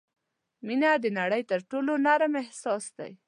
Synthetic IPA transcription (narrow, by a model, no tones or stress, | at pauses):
minad̪ənaɽəjt̪əɾʈolonaɾmɪhsɑsd̪a̰j